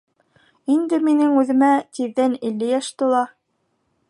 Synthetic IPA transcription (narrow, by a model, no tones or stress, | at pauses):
ind̪ɘminɘŋʉðɘ̆mæt̪iðːænilːɘjæʃt̪ŏlˠɑ